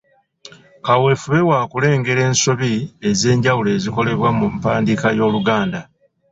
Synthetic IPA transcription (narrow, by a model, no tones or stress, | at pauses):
kawe̞fuβe̞waːkule̞ːŋɡe̞ɾe̞ːnsoβie̞ze̞ːɲɟawule̞ːziko̞le̞βwamumpaːndikajo̞ːluɡaːnda